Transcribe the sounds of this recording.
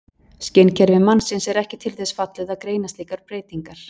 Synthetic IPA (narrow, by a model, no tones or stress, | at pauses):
scɪncʰɛɾvɪmansɪnsɛɾɛhcɪt̪ʰɪlθɛsfat̪lɛðakɾeːjnast̪iːkaɾ̥pɾeːjt̪iŋkaɾ̥